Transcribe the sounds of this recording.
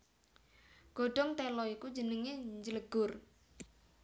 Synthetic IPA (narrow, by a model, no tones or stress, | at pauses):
ɡ̥o̤ɖ̥ɔ̤ŋt̪ɛlɔiku̥d͡ʒənəŋeɲd͡ʒələɡ̥ʊr